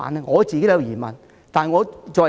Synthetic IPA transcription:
a̰ː˨nɛ˧ŋɔː˨˧t͡siː˨ke˥˨jwjiː˨˩mɐ̰˨˩n | t̪aː˨n˨ŋɔː˨˧t͡ʃɔː˨

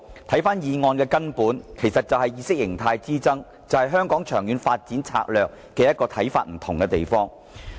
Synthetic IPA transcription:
t̪ʰɐ˨˥jfaː˥njiː˨ŋɔː˧nkɛː˧kɐ˥npuː˨˥nkʰe˨˩jsɐ˨t̚t͡sɐ˨wɦɐ˨jiː˨˧sɪ˥k̚jɪ˨˩ŋt̪ʰaː˧jt͡siː˥t͡sɐ˥ŋ | t͡sɐ˨whɐ˨jɦœː˥ŋkɔː˨˥ŋt͡ʃʰœː˨˩ŋjyː˨˧nfaː˧t̚t͡siː˨˥nt͡sʰa̰ː˧k̚lœː˨k̚ːɛː˧jɐ˥t̚kɔː˧t̪ʰɐ˨˥jfaː˧t̚m̩˨˩t̪ʰʊ˨˩ŋkɛ˧t̪e˨jfɔː˥ŋ

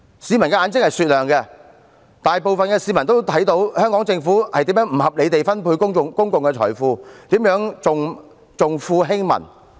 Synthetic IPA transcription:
siː˨˧mɐ˨˩nkɛ˧ʔaː˨˧nt͡sɪ˥k̚hɐ˨jsyː˨t̚lœː˨˩ŋkɛ˧ | t̪aː˨jpo˨wfɐ˨nkɛː˧siː˨˥mɐ˨˩nt̪̬o˥wt̪ʰɐ˨˥jt̪o˧˥whœː˥ŋkɔː˨˥ŋt͡sɪ˧ŋfuː˨˥hɐ̰˨jt̪iː˨˥jœː˨˥ŋm̩˨˩hɐ˨p̚le˨˧jt̪e˨jfɐ˥npʰuː˧jkʊ˥ŋkʊ˨ŋkʊ˥ŋkʊ˨ŋkɛ˧t͡ʃʰɔ̰ː˨˩jfuː˧t̪iː˨˥mjœː˨˥ŋt͡sʊ˨ŋ | t͡sʊ˨ŋfuː˧ɦɪ˥ŋmɐ̰˨˩n

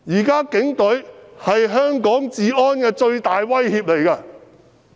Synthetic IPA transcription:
jiː˨˩kaː˥kɪ˨˥ŋt̪ɵ˨˥ɥhɐ˨jɦœː˥ŋkɔː˨˥ŋt͡siː˧ɔː˥nkɛː˧t͡ʃɵ˧ɥt̪aː˨jwɐ˥jhiː˧p̚le˨˩jkɐ˧

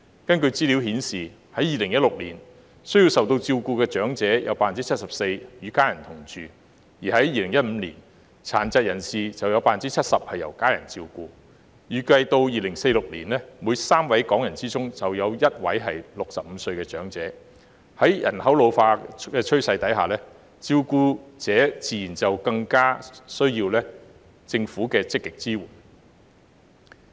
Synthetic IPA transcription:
kɐ˥nkɵ˧ɥt͡siː˥li˨˥whiː˨˥nsiː˨˩ | hɐ˨˥jiː˨lɪ˨˩ŋjɐ˥t̚lʊ˨k̚liː˨˩n | sɵ˥ɥji˧wsɐ˨wt̪o˧wt͡siː˧wkuː˧kɛː˧t͡ʃœː˨˥ŋt͡sɛː˨˥jɐ̰˨˧wpaː˥ft͡si˥t͡sʰɐ˥t̚sɐ˨p̚se˧jjyː˨˧kaː˥jɐ˨˩nt̪ʰʊ˨˩ŋt͡ʃyː˨ | jiː˨˩hɐ˨˥jːiː˨˧lɪ˨˩ŋjɐ˥t̚m̩ː˨˧lḭː˨˩n | t͡sʰa̰ː˨˩nt͡sɐ˨˧t̚jɐ˨˩nsiː˨t͡sɐ˨wjɐ˨˧wpaː˥fɐ˨nt͡siː˥t͡sʰɐ˥t̚sɐ˨p̚hɐ˨jɐ˨˩wkaː˥jɐ̰˨˩nt͡si˧wkuː˧ | jyː˨˧kɐ˧jt̪o˧wjiː˨lɪ˨˩ŋse˧jlʊ˨k̚lḭː˨˩nlɛː˥muː˨˧jsaː˥mwɐ˨˥jkɔː˨˥ŋjɐ˨˩nt͡siː˥t͡sʊ˥ŋt͡sɐ˨wjɐ˨˧wjɐ˥t̚wɐ˨˥jɦɐ˨jlʊ˨k̚sɐ˨p̚m̩˨˧sɵ˧ɥkɛː˧t͡ʃœː˨˥ŋt͡sɛː˨˥ | hɐ˨˥jjɐ̰˨˩nhɐ˨˥wlo˨˧wfaː˧kɛː˧t͡ʃʰɵ˥ɥsɐ˧jt̪ɐ˨˥jɦa̰ː˨˩lɛː˥ | t͡siː˧wkuː˧t͡sɛː˨˥t͡siː˨˩jiː˨˩nt͡sɐ˨wkɐ˧ŋkaː˥sɵ˥ɥjiː˧wlɛː˥ | t͡sɪ˧ŋfuː˨˥kɛː˧t͡sɪ˥kːɪ˨k̚t͡siː˥wuː˨˩n

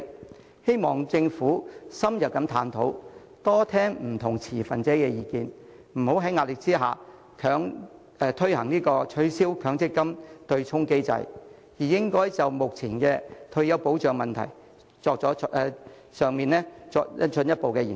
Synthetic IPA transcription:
he˥jmɔː˨˩ŋt͡sɪ˧ŋfuː˨˥sɐ˥mjɐ˨p̚kɐ˨˥mt̪ʰaː˨˧nt̪ʰo˨˥w | t̪ɔː˥t̪ʰɛː˥ŋm̩˨˩t̪ʰʊ˨˩ŋt͡sʰiː˨˩fɐ˨nt͡sɛː˨˥kɛ˧jiː˨˧kiː˧n | m̩˨˩ho˨˥wɦɐ˨˥jŋaː˧t̚lɪ˨˩k̚t͡siː˥ɦa̰ː˨ | kʰœː˨˥ŋː˧ | t̪ʰɵ˥ɥhɐ˨˩ŋniː˥kɔː˧t͡ʃʰɵ˨˥ɥsiː˥wkʰœː˨˥ŋt͡sɪ˥kːɐ˥mt̪ɵ˧ɥt͡sʰʊ˥ŋke˥jt͡sɐ̰˧j | jiː˨˩jɪ˥ŋkɔː˥jt͡sɐ˨wmʊ˨k̚t͡sʰi˨˩nkɛː˧t̪ʰɵ˧ɥjɐ˨˧wpo˨˥wt͡ʃœː˨˧ŋmɐ˨nt̪ʰɐ̰˨˩j | t͡sɔː˧k̚t͡sɔː˨˥ʔ | sœː˨ŋmiː˨nɛː˥t͡sɔː˧jɐ̰˥nt͡ʃʰɵ˨˧njɐ˥t̚po˨wkɛː˧ji˨˩

